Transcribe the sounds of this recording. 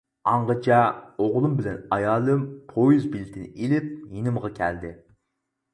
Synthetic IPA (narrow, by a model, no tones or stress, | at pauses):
ɑɴʁət͡ʃʰɛoʁlˠumbɪlɛnɑjɑːlˠɨmpʰojuzbilɪt̪ʰɪnɪʔilɪp̚jinɪmʁɑkʲʰæ̰ld̪ɪ